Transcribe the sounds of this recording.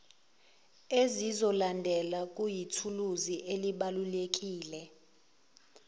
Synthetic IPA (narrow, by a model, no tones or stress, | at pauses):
ezizɔlandʱɛlak̬ʼujitʰuluziʔeliɓalulek̬ʼiːlɛ